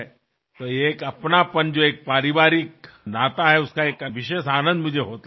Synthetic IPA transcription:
t̪əekəpnapəɳd͡ʑoek̚paɾiʋaɾik̚ | nat̪aɦɛuskaekəʋiɕesanənd̪m̤ənd͡ʑʱeɦot̪l

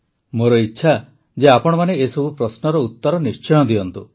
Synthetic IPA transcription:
moɾɔitːʃʰa | d͡ʒeapɔɽ̃ɔmaneesɔbʱupɾɔsnɔɾɔut̪ːɔɾɔnist͡ʃɔj̃ɔd̪iɔnt̪u

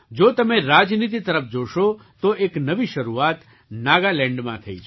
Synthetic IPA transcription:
d͡ʒot̪əmeɾad͡ʒnit̪̬it̪əɾəfd͡ʒoʃot̪oʔeknəʋiʃəɾuat̪ | naɡalɛ̃ɳɖmã̰t̪ʰəḭt͡ʃʰ

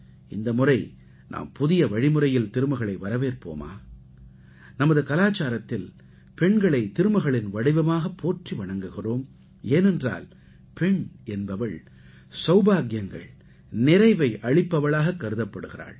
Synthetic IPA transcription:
ɪnd̪ɐmɯrɐɪ | nʔa̰ːmpʊðɪjɐʋɐɻɪmɯrɐjɪlt̪ɪɾɯmɐɣɐɭɐɪʋɐɾɐʋeːrpo̰ːma̰ː | nɐmɐðɯkɐlaːt͡ʃːaːɾɐt̪ːɪl | pɛɳɡɐɭɐɪt̪ɪɾɯmɐɣɐɭɪnʋɐɽɪʋɐmaːɣɐpːoːʈriʋɐɳɐŋɡɯɣɪroːm | eːnɛndra̰ːl | pɛɳɛnbɐʋɐɭ | sɐʊbaːɣjɐŋɡɐ̰ɭ | nɪrɐɪʋɐɪʔɐɻɪpːɐʋɐɭaːɣɐkːɐɾɯðɐpːɐɽɯɣɪra̰ːɭ

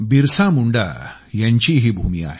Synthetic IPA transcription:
biɾsamuɳɖa̰jaɲt͡ɕiːɦiːbʱumia̰ːɦe

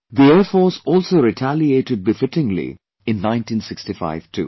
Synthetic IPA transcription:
d̪ieːɾfɔːsɔːlsoːɾɪʈʰælieːʈɪɖ̚bɪfɪʈɪ̃ŋlḭ | ɪ̃nːãɪ̃nʈĩːnsɪksʈifa̰ɪʋʈʰṵː

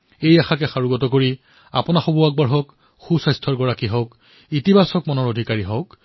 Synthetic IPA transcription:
ejaxakɛxaɹuɡɔtɔkoɹi | a̰pɔnaxobuak̚bɔɹɦɔk | xusajstʰɔɹɡɔɹakiɦɔk | itibʱasɔkmɔnɔɹodʱikaɹiɦɔk

